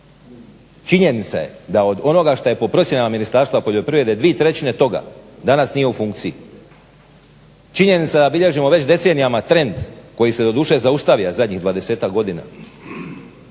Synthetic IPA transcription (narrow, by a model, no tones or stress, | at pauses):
t͡ʃiɲe̞nit̪sa̰je̞̰d̪ao̞d̪o̞no̞ɡaʃt̪aje̞po̞pɾo̞t̪sje̞namaminist̪aːɾst̪ʋapo̞ʎʲo̞pɾiʋɾe̞d̪ed̪ʋiet̪ɾe̞t͡ɕine̞t̪o̞ɡa̰d̪anasnijeufuŋk̚t̪sii | t͡ʃiɲe̞nit̪sad̪abiʎe̞ʒimo̞ʋe̞t͡ɕd̪e̞t̪se̞nijamat̪ɾe̞nd̪ko̞jise̞d̪o̞d̪uːʃe̞zaust̪aʋijazad̪ɲiɣd̪ʋaːd̪e̞se̞ːt̪akɡo̞d̪ina̰